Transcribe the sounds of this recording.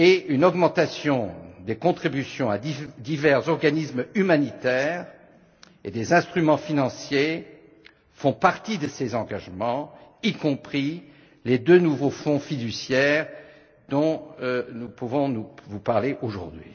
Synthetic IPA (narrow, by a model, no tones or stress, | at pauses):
eynɔɡmɑ̃t̪asjɔ̃d̪ekɔ̃t̪χibysjɔ̃ad̪id̪ivɛʁzɔʁɡanismymanit̪ɛːʁ | ed̪ezɛ̃st̪χymɑ̃finɑ̃sje | fɔ̃paʁt̪id̪əsezɑ̃ɡaʒmɑ̃ikɔ̃pχi | led̪ønuvofɔ̃fid̪ysjɛʁ | d̪ɔ̃nupuvɔ̃nuvupaʁleʔoʒṵʁd̪ɥḭ